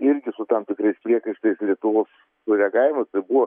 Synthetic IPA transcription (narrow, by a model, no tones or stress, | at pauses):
ɪɾʲɡʲɪsʊt̪ɐmt̪ʲɪkɾɐɪspʲɾʲiɛkɐɪʃt̪ɐɪslʲiɛt̪ʊʋoːs | sʊɾʲɛɡɑːɪɪmɐst̪ɐɪbʊʋɔ